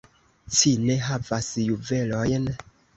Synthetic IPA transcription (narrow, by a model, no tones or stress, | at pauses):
t͡ʃine̞ɦavasjuve̞lojn